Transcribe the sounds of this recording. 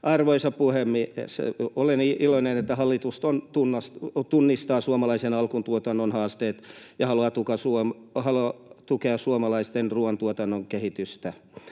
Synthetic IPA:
ʔɑrʋoisɑppuhemːisḛoleniʔiloinenet̪ːæhɑlːit̪ust̪ont̪unːɑst̪unːist̪ɑːsuomɑlɑisenɑlkunt̪uot̪ɑnːonhɑːst̪eːt̪jɑhɑluɑt̪ukɑsuomhɑloɑt̪ukeɑsuomɑlɑist̪enruɑnt̪uot̪ɑnːoŋkehit̪yst̪æ

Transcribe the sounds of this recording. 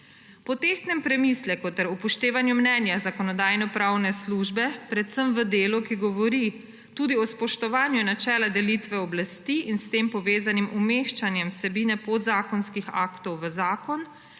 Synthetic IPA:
pɔt̪ext̪nɛmpɾɛmislɛkɔt̪ɛɾupɔʃt̪eːʋanjumnɛːnjazakɔnɔd̪aːjnɔpɾawnɛsluːʒbɛpɾɛt̪səmʋəd̪eːlukiɡɔʋɔɾi | t̪uːd̪iɔspɔʃt̪ɔʋaːnjunat͡ʃɛːlad̪ɛlit̪ʋɛɔblast̪iːʔinst̪eːmpɔʋeːzanimumeʃt͡ʃanjɛmsɛbiːnɛpod̪zaːkɔnskixa̰kt̪ɔwʋəzaːkɔn

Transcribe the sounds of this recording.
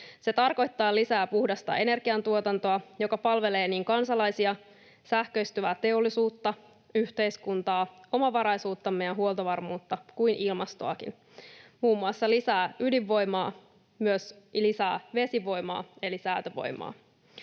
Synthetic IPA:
se̞t̪ɑrko̞jt̪ːɑːlisæːpuhdɑst̪ɑ̰e̞ne̞rɡ̥iɑnt̪uot̪ɑnt̪o̞ɑjo̞kɑpɑlʋe̞le̞ːniːŋkɑnsɑlɑjsiɑ | sæhkøist̪yʋæːt̪e̞olːisuːt̪ːɑ | yht̪e̞jskunt̪ɑːo̞mɑʋɑɾɑjsuːt̪ːɑmːejænɦuolt̪oʋɑrmuːt̪ːɑkujnʔilmɑst̪oɑkḭn | muːmːuɑsːɑlisæːydiʋːo̞jmɑː | myøs | lisæ̰ːʋe̞siʋo̞jmɑ̰ːe̞lisæyt̪øʋo̰jmɑ̰ː

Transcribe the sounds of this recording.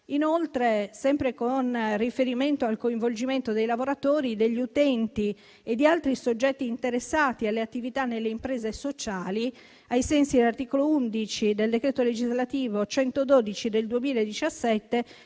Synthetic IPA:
inolt̪ɾesɛmpɾekonrifeɾiment̪oalkoiɱvold͡ʒiment̪od̪ejlavoɾat̪oːɾid̪eʎːiut̪ɛnt̪i | ed̪ːialt̪ɾisod͡ʒːɛt̪ːiːnt̪eɾesːaːt̪ialːeat̪ːivit̪anːelːeimpɾeːzesot͡ʃaːli | ajsɛnsid̪elart̪iːkolound̪it͡ʃid̪eld̪ekɾeːt̪oled͡ʒizlat̪iːvot͡ʃɛnt̪od̪oːd̪it͡ʃid̪eld̪uemiːlaed̪it͡ʃasːɛt̪ːe

